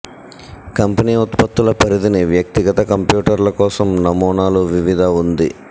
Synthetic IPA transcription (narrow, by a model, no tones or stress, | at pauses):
kɐmpɐniːut̪pɐt̪ːulɐpɐɾid̪iniʋjɐk̚t̪iɡɐt̪ɐkɐmpjuːʈɐɾlɐkɔːsɐmnɐmɔːɳaːluʋiʋid̪ʱɐund̪i